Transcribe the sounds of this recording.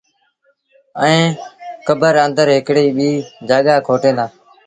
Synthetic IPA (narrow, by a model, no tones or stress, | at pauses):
əẽːkəbəɾənd̪əɾɦɪkɽiːɓiːd͡ʒaːɠaːkʰoːʈẽːnd̪aː